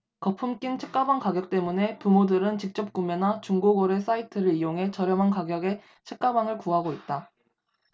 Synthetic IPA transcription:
kʌpʰɯmk͈int͡ɕʰek͈abaŋkaɡjʌk̚t͈e̞mune̞pumodɯɾɯnt͡ɕik̚t͡ɕ͈ʌp̚k͈umenat͡ɕuŋɡoɡʌɾe̞s͈ʰaitʰɯɾɯɾijoŋɦe̞t͡ɕʌɾjʌmankaɡjʌɡe̞ | t͡ɕʰek̚k͈abaŋɯɭkuɦaɡoit̚t͈a

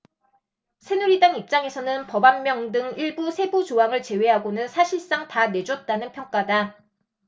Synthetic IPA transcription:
sʰe̞nuɾidaŋip̚t͡ɕ͈aŋe̞sʰʌnɯnpʌbamːjʌŋdɯŋiɭbusʰe̞but͡ɕoɦaŋɯɭt͡ɕe̞we̞ɦaɡonɯnsʰaɕʰiɭs͈aŋtane̞d͡ʑʌt̚t͈anɯnpʰjʌŋk͈ada

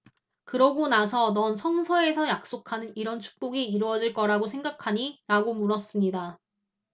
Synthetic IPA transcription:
kɯɾʌɡonasʰʌnʌnsʰʌŋsʰʌe̞sʰʌjak̚s͈okʰanɯniɾʌnt͡ɕʰu̥k̚p͈oɡiːɾuʌd͡ʑiɭk͈ʌɾaɡosʰe̞ŋɡakʰaɲiɾaɡomuɾʌs͈ɯmɲida

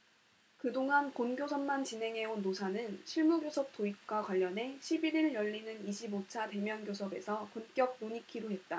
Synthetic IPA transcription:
kɯdoŋɦankonɡjosʰʌmmant͡ɕinɦe̞ŋɦe̞onːosʰanɯnɕʰiɭmuɡjosʰʌp̚t͈oik̚k͈wakwaʎːʌnɦe̞ɕʰibiɾiɭjʌʎːinɯniɕʰibot͡ɕʰate̞mjʌnɡjosʰʌbe̞̰sʰʌkunk͈jʌk̚noɲikʰiɾoɦe̞t̚t͈a

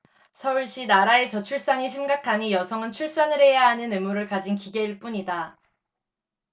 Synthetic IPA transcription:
sʰʌuɭɕ͈inaɾae̞t͡ɕʌt͡ɕʰuɭs͈aŋiɕʰimɡakʰaɲijʌsʰʌŋɯnt͡ɕʰuɭs͈anɯɾɦe̞jaɦanɯnɯmuɾɯɭkad͡ʑinkiɡe̞iɭp͈uɲida

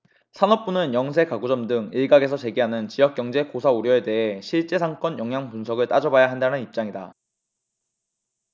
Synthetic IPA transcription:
sʰanʌp̚p͈unɯnjʌŋs̬ʰe̞kaɡud͡ʑʌmdɯŋiɭɡaɡe̞s̬ʰʌt͡ɕe̞ɡiɦanɯnt͡ɕijʌk͈̚jʌŋd͡ʑe̞kosʰauɾjʌe̞te̞ɦe̞ɕʰiɭt͡ɕ͈e̞sʰaŋk͈ʌnjʌŋɦjaŋpunsʰʌɡɯɭt͈ad͡ʑʌbajaɦandanɯnip̚t͡ɕ͈aŋida

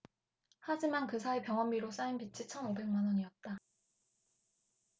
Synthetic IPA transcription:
had͡ʑimankɯsʰaepjʌŋʌmːiɾos͈ainpit͡ɕʰit͡ɕʰʌnobe̞ŋmanʌɲiʌt̚t͈a

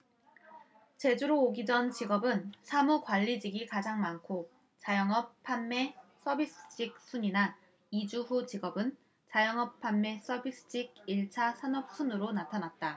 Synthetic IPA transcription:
t͡ɕe̞d͡ʑuɾoːɡid͡ʑʌnt͡ɕiɡʌbɯnsʰamukwaʎːid͡ʑiɡikad͡ʑaŋmankʰo | t͡ɕajʌŋʌp̚pʰanme̞s͈ʌbis͈ʰɯ̥t͡ɕ͈ʰik̚s͈ʰuɲina | id͡ʑuɸut͡ɕiɡʌbɯn | t͡ɕajʌŋʌp̚pʰːanmːe̞s͈ʌbis͈ʰɯ̥t͡ɕʰiɡ̚iɭt͡ɕʰasʰanʌp̚s͈ʰunɯɾonatʰanat̚t͈a

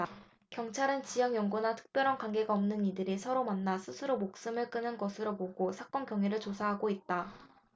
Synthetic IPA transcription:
kjʌŋt͡ɕʰaɾɯnt͡ɕijʌŋjʌŋɡonatʰɯ̥k̚p͈jʌɾʌnkwaŋɡe̞ɡaʌmnɯnidɯɾisʰʌɾomanːasʰɯsʰɯɾomok̚s͈ɯmɯɭk͈ɯnɯnɡʌsʰɯɾopoɡosʰak͈ʌnkjʌŋɥiɾɯɭt͡ɕosʰaɦaɡoit̚t͈a

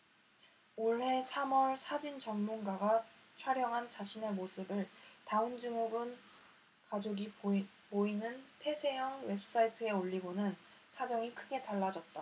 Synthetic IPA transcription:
oɭɦe̞sʰamʌɭsʰad͡ʑint͡ɕʌŋmunɡaɡat͡ɕʰaɾjʌŋɦant͡ɕaɕʰine̞mosʰɯbɯɭtaɯnd͡ʑuŋuɡɯn | kad͡ʑoɡi | poinɯnpʰe̞sʰe̞jʌŋwe̞p̚s͈aitʰɯe̞oʎːiɡonɯn | sʰad͡ʑʌŋikʰɯɡe̞taɭːad͡ʑʌt̚t͈a

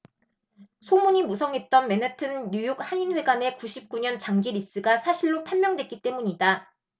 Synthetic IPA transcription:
sʰomuɲimusʰʌŋɦe̞t̚t͈ʌnme̞natʰɯnjujok̚haɲinɸwe̞ɡane̞kuɕʰip̚k͈uɲʌnt͡ɕaŋɡiɾis͈ɯɡasʰaɕʰiɭːopʰamjʌŋdwe̞t̚k͈it͈e̞muɲida

